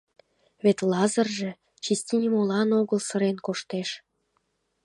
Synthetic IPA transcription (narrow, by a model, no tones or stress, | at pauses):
βet̪lɑzərʒe̽ | t͡ɕisʲt̪ʲinʲimolɑnoɣəlsə̆ɾenkoʃt̪eʃ